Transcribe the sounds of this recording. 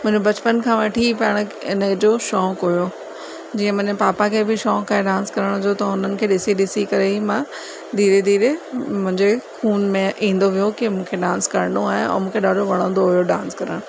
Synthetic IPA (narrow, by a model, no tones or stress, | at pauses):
mʊ̃ɦɪ̃d͡ʑebɐt͡ɕpənkʰãːʋɐʈʰipɐəɽ̃ɪnəd͡ʑoːʃɔːkɦujo | d͡ʑiːə̃mɐ̃ɦɲpaːpakʰebɪʃɔ̃ːkaːẽɗãːnskɐɾəɽ̃d͡ʑot̪ɐɦʊnənɪ̆kʰeːɗɪsiɗɪsikɐɾeimã | d̪ʱiːɾed̪ʱiːɾemʊ̃ɦɪ̃ɲd͡ʑexʰuːnmẽʔĩːn̆d̪oʋijokimũːkʰeɗãːnskɐɾnoaːɦeɔ̰ːmũːkʰeɗaːɖʱoʋɐɽ̃ə̃ːnd̪oɦʊjoɗãːnskɐɾəɽ̃